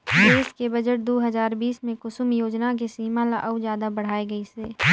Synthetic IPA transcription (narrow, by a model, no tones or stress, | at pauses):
eːskebɐd͡ʒəʈ̚d̪oːɦɐzaːɾbiːsmẽkʊsʊmjoːd͡ʒnak̬esiːmalaʔɐwd͡ʒjaːd̪abɐɽ̤aːeɡɐiseː